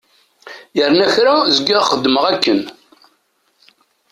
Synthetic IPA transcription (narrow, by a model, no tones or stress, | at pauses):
jəɾnæçɾazəɡːæχəd̪ːməʁækːən